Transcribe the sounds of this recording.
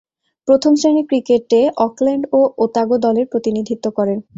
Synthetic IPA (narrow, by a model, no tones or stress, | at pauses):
pɾot̪ʰomsenikɾikeʈːeʔɔklɛɳɖoot̪aɡod̪ɔleɾpɾot̪inid̪ʱit̪ːokɔɾen